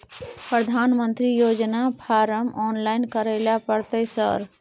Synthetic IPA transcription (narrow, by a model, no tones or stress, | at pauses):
pɾəd̪ʱanmənt̪ɾijod͡ʒnapʰaɾəmɔnlajnkəɾəlapəɾt̪əɪsə̰ɾ